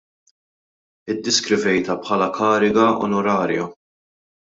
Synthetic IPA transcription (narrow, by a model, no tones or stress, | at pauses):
ɪd̪ːɛskɾɪvɛjt̪ɐpħɐlɐkɐːɾɪɡɐɔ̰nɔɾɐːɾjɐ